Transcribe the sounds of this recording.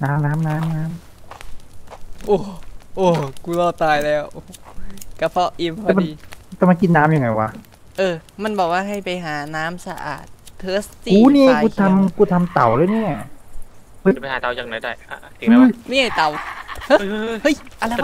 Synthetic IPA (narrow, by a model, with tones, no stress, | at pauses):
naː˦˥mnaː˦˥mnaː˦˥mnaː˦˥m | ʔoː˧˩ʔoː˧˩ku˧lɔː˧˩t̪aː˧jlɛː˦˥˩wʔo˧ka˧˩pʰɔ˧˩ʔi˧mpʰɔɛ˧˩ma˧niː˧t̪ɛ˧˩ma˧nki˧nːaː˦˥mjaː˨˩ŋa˧˩jwaː˧ | ʔɤː˧ma˧˥˨nbɔː˨˩k̚waː˥˩ɦa˧˥˩jpa˧jɦaː˨˩˦naː˦˥msa˧ʔa̰ː˨˩t̪ʰːɤː˦˥stikuː˧˥˦niː˧˥˩kuː˧t̪ʰa˧mkuː˧˩t̪ʰa˧mt̪a˨˩wlɯː˧˥˩ni˥˩ | hɤ˧˥˩pa˧jhaː˨˦t̪a˧˩wjaː˨˩ŋna˧˩jdaː˥˩ja˧˩˧t̪ʰi˨˦˧ɯː˧˥mi˦˥˩ŋa˧˩t̪a˨˩whhɤ˦˥˩jʔa˧˨la˧